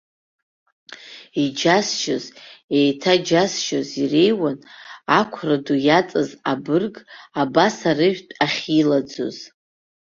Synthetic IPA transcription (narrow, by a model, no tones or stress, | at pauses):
id͡ʒasʃazejtʰad͡ʒasʃozirejwanakʷʰradujat͡sʼazabɨrɡabasarɨʒᶣtʼaχʲilad͡zo̰z̥